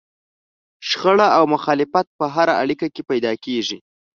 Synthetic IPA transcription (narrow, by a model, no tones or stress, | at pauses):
ʃxəɽaawmʊxɑlɪfat̪̚pəɦaɾaʔaɽikakepajd̪ɑkeʐi